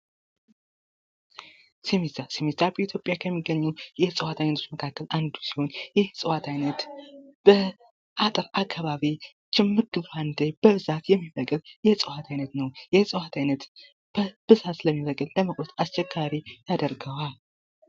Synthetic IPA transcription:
simizasimizabəit̪ʰjo̞pʼjakʰəmːiɡːəɲːuwjɛsʼɨwat̪ʰajnət̪ʰot͡ʃməkʰakːəlʔand̪u̥siho̞njɛhsʼɨwat̪ʰajnət̪b̥ə | ʔat̪ʼɨɾakʰːaβaβi | t͡ʃɪmːɨɡɨβfand̪ejb̥əβɨzat̪jɛmːifəkʼɨljɛsʼɨwat̪ʰajnət̪nəwjɛsʼɨwat̪ʰajnət̪ | b̥əb̥ɨzat̪ləmːiβəkʼɨlləməkʼɾot̪ʰast͡ʃːɛkːaɾij̪ʰad̪əɾɡəwal

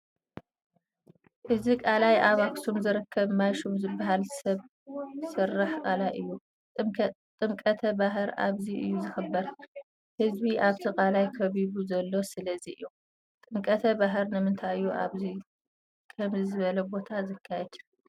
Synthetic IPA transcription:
ʔɨzikʼalajʔaβaksumzɨɾɨkʰːɐβmajʃumzɨbːaɦalsɐβ | sɨrːaħkʼalaɨjːu | t̪ʼɨmkʼɐt̪ʰɐbaɦɨɾʔa̰βziʔɨ̰jːuzɨxɨbːɐɾ | hɨzbiʔaβt̪ʰikʼalajkʰɐβiβuzɐlːo̞sɨlɐziʔɨ̰jːu | t̪ʼɨmkʼɐt̪ʰɐbaɦɨɾnɨmɨnt̪ʰajɨjuʔa̰βzi | kʰɐmzizɨβɐlɐbo̞t̪ʰazɨkʰːajɛd̪ʰu̥

